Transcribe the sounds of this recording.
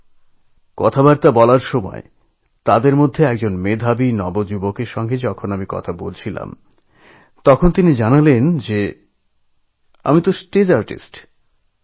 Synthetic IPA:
kɔt̪ʰabaɾt̪abɔlaɾʃomɔ̰e | t̪ad̪eɾmod̪ʱːeɛk̚d͡ʑonmed̪ʱabinɔbod͡ʑubokeɾʃɔŋɡed͡ʑɔkʰonamikɔ̰t̪ʰabolt͡ɕʰila̰m | t̪ɔkʰont̪inid͡ʑanalend͡ʑe | a̰mit̪osʈed͡ʑaɾʈḭsʈ

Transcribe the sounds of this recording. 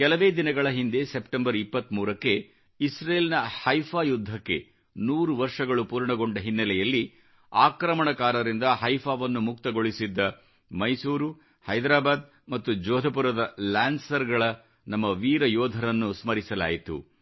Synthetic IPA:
kɛlɐʋe̞ːd̪inɐɡɐɭɐɦind̪e̞sepʈembɐɾipːɐt̪ːmuːɾɐkːe̞ | isɾeːlinɐhɐjpʰaːjud̪ʱːɐkːe̞̰ | nuːɾuʋɐɾʂɐɡɐɭupuːɾɳɐɡo̞ɳɖɐɦinːɐlɛjɐlːi | aːkɾɐmɐɳɐkaːɾɐɾind̪ɐɦɐjpʰaːʋɐnːumukt̪ɐɡo̞ɭisid̪ːɐ | mɐjsuːɾu | hɐjd̪ɾaːbaːd̪̚ | mɐt̪ːud͡ʒɔːd̪ʱɐp̬uɾɐd̪ɐlaːnsɐɾɡɐɭɐ | nɐmːɐʋiːɾɐjɔːd̪ʱɐɾɐnːusmɐɾisɐla̰ːjit̪ṵ

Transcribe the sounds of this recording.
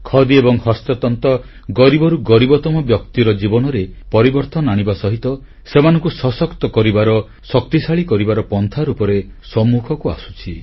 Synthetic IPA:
kʰɔd̪iebɔŋhɔst̪ɔt̪ɔnt̪ɔ | ɡɔɾibɔɾuɡɔɾibɔt̪ɔmɔbjɔkt̪iɾɔd͡ʒibɔnɔɾepɔɾibɔɾt̪ɔnaɽ̃ibasɔɦit̪ɔ | semanɔŋkusɔsɔkt̪ɔkɔɾibaɾɔ | sɔkt̪isaɭikɔɾibaɾɔpɔnt̪ʰaɾupɔɾesɔmːukʰɔkua̰su̥t͡ʃʰi

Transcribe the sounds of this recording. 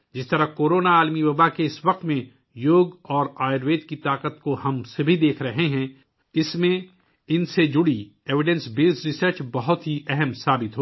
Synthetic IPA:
d͡ʒɪst̪ɐɾakoːɾoːnaaːlmiwɐbakeɪsʋɐq̚t̪mẽ | joːɡɔːɾaːɪɾʋeːʈkit̪aːqət̪kohɐmsebʱid̪eːkʰɾɐɦeɦɛ̃ | ɪsmẽ | ɪnsed͡ʒʊɽi | eːʋɪɖɛ̃nsbeːsɾɪsəɾt͡ʃbɐɦʊt̪ɦiʔɛɦɛmsaːbɪt̪ɦoː

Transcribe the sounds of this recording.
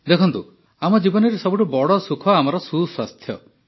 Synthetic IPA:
d̪ekʰɔnt̪u | amɔd͡ʒibɔnɔɾesɔbuʈubɔɽɔsukʰɔamɔɾɔsuswast̪ʰjɔ

